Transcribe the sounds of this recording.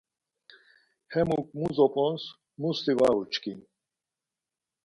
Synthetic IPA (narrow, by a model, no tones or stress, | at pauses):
hɛmuk̚muzɔpʼɔns | must̪ivaut͡ʃkin